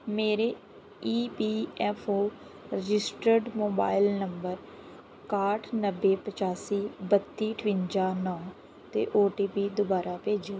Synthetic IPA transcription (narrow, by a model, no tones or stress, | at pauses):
meːɾeː | iːpiːɛːpʰoː | ɾɪd͡ʒɪsʈəɾɖmoːba̰ːɪlnəmbəɾ | kaːʈʰnəbːeːpət͡ʃaːsiːbət̪ːiːʈʰʋɪɲd͡ʒaːnɔ̃ː | t̪ḛːʔoːʈiːpiːd̪ʊbaːɾaːpeːd͡ʒeː